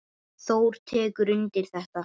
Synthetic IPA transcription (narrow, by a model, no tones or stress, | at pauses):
θowɾ̥t̪ʰɛːkʏɾʏnt̪ɪɾ̥θɛht̪a